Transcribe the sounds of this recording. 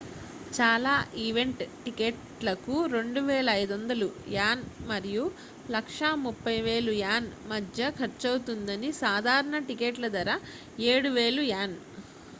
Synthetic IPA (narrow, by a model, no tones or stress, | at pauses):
t͡ʃaːlaːʔiʋe̞ɳʈʈikeʈ | lɐkuɾe̞ɳɖuʋɛːlɐːjd̪ɐnd̪ɐlujaːnmɐɾiju | lɐkʂamupːɐjʋe̞ːlujaːnmɐd̪ʱjɐkʰɐɾt͡ʃɐwt̪und̪ɐnisaːd̪ʱaːɾɐɳɐʈikeːʈlɐd̪ɐɾɐ | eːɽuʋeːlujaːn